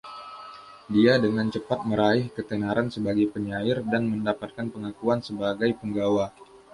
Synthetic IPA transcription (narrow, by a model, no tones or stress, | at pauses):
diadəŋant͡ʃəpat̪̚məɾaɪhkət̪ənaɾansəbaɡajpəɲaɪrdanməndapat̪̚kanpəŋakuansəbaɡajpəŋɡawa